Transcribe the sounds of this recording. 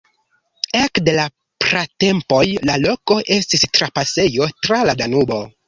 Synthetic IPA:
e̞kde̞la | pɾate̞mpo̞jlalo̞ko̞ʔe̞stistɾapase̞jo̞tɾaladanubo̞

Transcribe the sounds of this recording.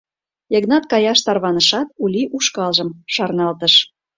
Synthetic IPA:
eɡnɑt̪kɑjɑʃt̪ɑrβɑnəʃɑt̪̚ulʲiʔuʃkɑlʒəmʃɑrnɑlt̪əʃ

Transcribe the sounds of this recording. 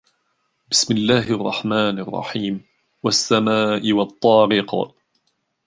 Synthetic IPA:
bɪsmɪlːaːɦʔɑrˤːɑħmaːnɑrˤːɑ̰ħiːm | wasːamaːʔɪwɑt̪ˤːɑːɾɪqɑ̰

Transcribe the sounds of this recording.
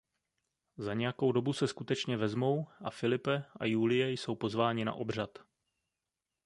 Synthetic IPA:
zaɲɛjako̞wdo̞busɛskut̪ɛt͡ʃɲɛvɛzmo̞wʔa̰fɪlɪpɛʔa̰juːlɪjɛjso̞wpo̞zvaːɲɪna̰ʔo̞br̝at̪

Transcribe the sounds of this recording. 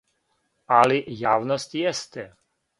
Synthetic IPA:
aliʔjawnɔscʲjɛst̪ɛ

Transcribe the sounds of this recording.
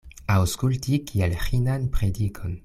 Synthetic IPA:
awskultikʰielhinanpɾedikʰo̞n

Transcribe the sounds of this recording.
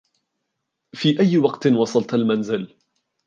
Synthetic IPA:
fiːʔajːwɑqt̪nwɑsˤɑlt̪almanzɪl

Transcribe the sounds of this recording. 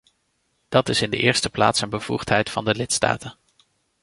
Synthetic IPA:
d̥ɑtɪsɪndə̰ʔɪːɹstəpla̰ːtsənbəv̥ṵχtɦɛjtfɑndəlɪtsta̰ːtən

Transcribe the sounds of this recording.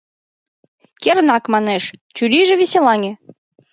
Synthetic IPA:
keɾnɑkmɑneʃt͡ɕyɾiʒɘ̆βʲesʲelɑŋʲĕ

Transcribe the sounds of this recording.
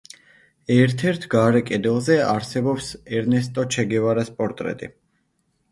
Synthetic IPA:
ɛɾt̪ʰɛɾt̪ʰɡaɾɛkʼɛd̪ɛlˠzɛaɾsɛbɔpsɛɾnɛs̬t̪ʼɔt͡ʃʰɛɡɛvaɾaspʼɔɾt̪ʼɾɛ̰t̪ʼḭ

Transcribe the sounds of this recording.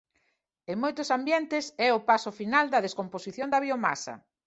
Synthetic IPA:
eŋmojt̪ʊsambjɛnt̪ɪsɛʊpasʊfinald̪ɐðeskomposiθjond̪ɐβioma̰sɐ̰

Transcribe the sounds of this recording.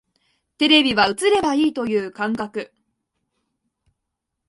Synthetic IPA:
t̪e̞ɾe̞bʲiβaɯ̟t͡sɨɾe̞baiːt̪o̞jɯ̟ːkãŋkakɯ̟

